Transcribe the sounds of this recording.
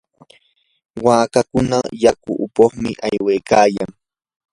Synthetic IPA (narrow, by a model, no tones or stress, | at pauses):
waːkakʊnajakʊ̰ʔʊpoχmɪʔajwejkaːjaŋ